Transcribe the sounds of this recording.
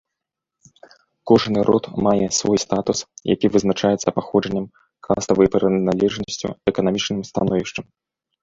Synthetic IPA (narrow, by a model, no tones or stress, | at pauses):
kɔʐnɨɾʔɔ̰t̪majɛsvɔjst̪at̪usja̰kʲivɨznat͡ʂajɛt̪sɐpaxɔʐɐnʲːɐm | kʰast̪ɐvɐjpɾɛnalʲɛʐnɐsʲt͡sʲṵɛkɐnamʲit͡ʂnɨmst̪anɔvʲiʂt͡ʂɐm